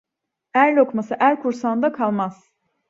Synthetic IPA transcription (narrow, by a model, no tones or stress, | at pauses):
æɾlʲo̞kmasɯʔæɾkʰuɾsand̪akʰalˠmaz̥